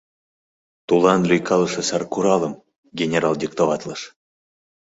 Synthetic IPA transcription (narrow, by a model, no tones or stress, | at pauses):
t̪ulˠɑnlʲyjkʰɑlˠɤʃɤ̆sɑrkuɾɑlˠə̆m | ɡʲenʲeɾɑlˠdʲikt̪ovɑt̪lˠəʃ